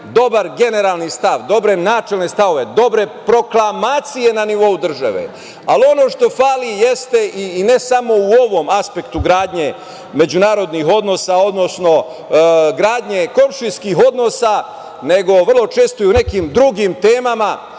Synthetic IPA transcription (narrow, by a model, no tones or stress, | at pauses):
d̪o̞baɾɡe̞ne̞ɾaːlˠnist̪aʋd̪o̞bɾe̞naːt͡ʃe̞lne̞st̪aʋo̞ʋe̞d̪o̞bɾe̞pɾo̞klˠamaːt̪sijenaniʋo̞ud̪r̩ʒa̰ʋḛ | alio̞no̞ʃt̪o̞faːlije̞st̪e̞ʔiːne̞samo̞uo̞ʋo̞maspe̞kt̪uɡɾaːd̪ɲe̞ | me̞d͡ʑunaːɾo̞d̪niɦo̞d̪no̞sao̞d̪no̞sno̞ | ɡɾaːd̪ɲe̞ko̞nʃiskiːɦo̞d̪no̞ːsa | ne̞ɡo̞ʋərlˠo̞t͡ʃe̞ːst̪oiune̞kiːmd̪ɾuɡimt̪e̞ːmama